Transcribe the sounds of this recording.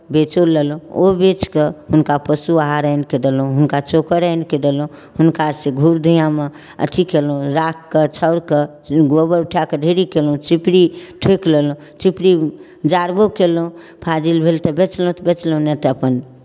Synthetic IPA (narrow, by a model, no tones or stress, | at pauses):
bet͡ʃolelũobet͡ʃkehunkapəsuaɦaɾəjnked̪elũɦunkat͡ʃokəɾəjnked̪elũ | hunkaseɡʱuɾd̪ʱijãme | ə̰t̪ʰikelũɾakːət͡ʃʰəʊɾke | ɡobəɾuʈʰjakeɖʱeɾikelũt͡ʃipɾiʈʰeklelũ | t͡ʃipɾi | d͡ʒaɾbokelũ | pʰad͡ʒilbʱelt̪əbet͡ʃlũt̪bet͡ʃlũnɛt̪əpən